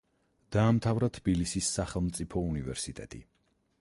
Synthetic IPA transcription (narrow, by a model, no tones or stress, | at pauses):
d̪̥aːmt̪ʰavɾat̪ʰbilisisːaχɛlˠmt̪sʼipʰɔunivɛɾsit̪ʼɛ̰t̪ʼḭ